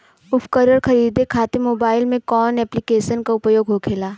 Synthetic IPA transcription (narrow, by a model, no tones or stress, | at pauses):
ʊpʰkəɾəɾxɐɾiːd̪ekʰaːt̪emoːbaːɪlmẽkɔːnɛːplikeːʃənkaʊpjoːɡɦoːkʰeːlaː